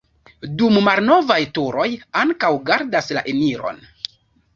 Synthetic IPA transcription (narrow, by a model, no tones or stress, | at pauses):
dummalno̞vajtuɾo̞jaŋkawɡaɾdasla̰ʔemiɾo̰n